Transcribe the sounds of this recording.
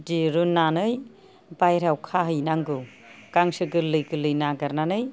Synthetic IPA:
diɾunːanɯj | bajɾawkʰaɦɯjnaŋɡɯ | kaŋsɯɡɯlɯjɡɯlɯjnaɡaɾnanɯj

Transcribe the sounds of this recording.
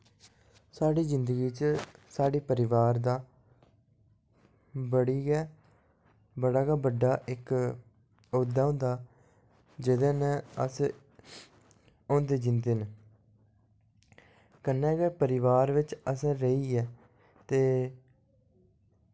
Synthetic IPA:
saːɽiːzɪnd̪əɡiːt͡ʃəsaːɖiːpəɾɪʋaːɾd̪aː | bəɽiːɡɛː | bəɽaːɡaːbəɖaːʔɪk | oːd̪aːɦʊ̃ːnd̪aː | d͡ʒɪd̪ẽːnɛ̃ːəs | õːnd̪eːd͡ʒɪnd̪eːn | kənːɛ̃ːɡɛːpəɾɪʋaːɾʋɪt͡ʃəsɛ̃ːɾəiːɛː | t̪eː

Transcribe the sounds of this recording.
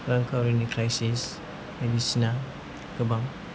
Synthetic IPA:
ɾaŋkʰawɾinikɾajsis | medisina | ɡɯbaŋ

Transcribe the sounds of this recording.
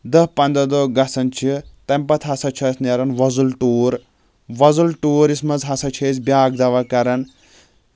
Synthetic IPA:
d̪ɐɦpɐnd̪ɐd̪oːɡɐsɐnt͡ʃʰit̪ɐmpɐt̪ʰɦɐsɐt͡ʃʰɐsnɐɾɐnʋɐzulʈuːɾ | ʋɐzulʈuːɾismɐzɦɐsɐt͡ʃʰɐsbjaːɡ̚d̪ɐʋɐkɐɾɐn

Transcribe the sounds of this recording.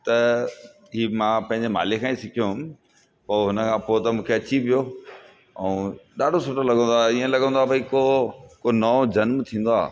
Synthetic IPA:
t̪ɐ | ɦiːmãːpɐ̃ɦɪ̃ɲd͡ʑema̰ːlɪkʰãːĩsɪkʰijoɦʊm̆ | poːɦʊnəkʰãpoːt̪ɐmũːkʰeɐt͡ɕiʋijoː | ɛ̃ːɗaːɖʱosʊʈolɐɠə̃nd̪oaːiːə̃lɐɡə̃nd̪oaːbʱɐikokonɐd͡ʑɐnmt̪ʰĩːn̆d̪oa̰ː

